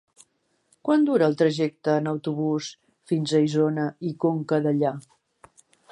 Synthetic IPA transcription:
kwand̪uɾəːlˠt̪ɾəʒɛk̚t̪əːnəwt̪uβus | finzəizonəikoŋkəðəʎa

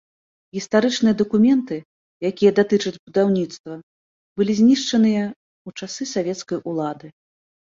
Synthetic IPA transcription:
ɣʲist̪aɾɨt͡ʂnɨjɐd̪ɐkumʲɛnt̪ɨ | jakʲijɐd̪at̪ɨt͡ʂɐd͡zʲbud̪awnʲit̪st̪vɐ | bɨlʲizʲnʲiʂt͡ʂɐnɨjɐ | ut͡ʂasɨsavʲɛt̪skɐjʔulˠad̪ɨ

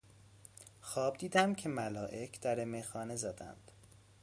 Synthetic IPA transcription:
xɒːb̚d̪iːd̪æmcʰe̞mælɒːʔe̞cʰd̪̥æɾemexɒːne̞zæd̪æ̰nd̪̥

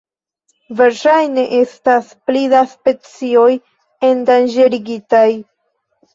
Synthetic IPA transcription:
ve̞ɾʃajne̞ʔe̞stasplidaspe̞t͡sio̞j | e̞ndand͡ʒeɾiɡitaj

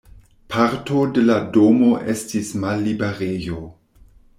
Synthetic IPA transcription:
pʰaɾto̞de̞ladomo̞ʔe̞stismalːibeɾejo

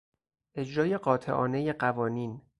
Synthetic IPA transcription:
ʔe̞d͡ʒɾɒːje̞ɢɒːt̪ʰe̞̰ʔɒ̰ːne̞je̞ɢævɒːniːn

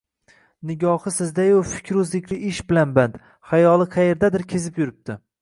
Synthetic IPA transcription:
nɪɡʲɒhɨsɪzd̪ajofɪ̥kʲʰɾʊzlɪkʲlɪʔɪʃbɪlanbant̪ | hajɒlˠɪqʰɑjeɾd̪ad̪ɪɾkʲʰezɪpjʊɾɪp̚t̪ʰɪ

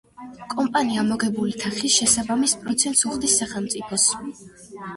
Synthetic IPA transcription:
kʼɔmpʼaniamɔɡɛbulit̪ʰaχisʃɛsabamispʼɾɔt̪sʰɛnt̪suχd̪isːaχɛlˠmt̪sʼipʰɔs

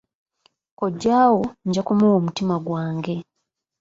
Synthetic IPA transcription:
koɟːaːwo̞ɲɟakumuwoːmutimaɡwaːŋɡe̞

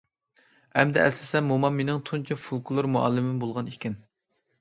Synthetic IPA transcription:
ɛmd̪ɛʔɛslɪsɛmːumɑmːenɪŋt̪ʰunt͡ʃʰifulˠkulˠuɾmuɑ̰lˠːɪmɪmbolˠʁɑnekʲɪn

